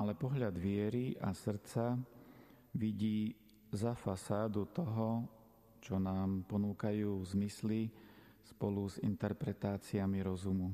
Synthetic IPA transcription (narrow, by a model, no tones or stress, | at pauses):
ʔalɛpɔɦʎad̪ʋɪɛɾiʔasr̩t͡sa | ʋiɟiː | zafasaːd̪ut̪ɔɦɔ | t͡ʃɔnaːmpɔnuːkajuːvzmisli | spɔluzḭnt̪ɛɾpɾɛt̪aːt͡siamiɾɔzumu